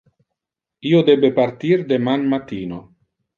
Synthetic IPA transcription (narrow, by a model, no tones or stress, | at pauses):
iːod̪ɛbepart̪iɾd̪emanmat̪iːno